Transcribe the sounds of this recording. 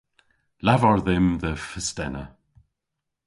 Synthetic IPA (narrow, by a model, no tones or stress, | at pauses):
lavɔɹðɪmðəfəstɛnə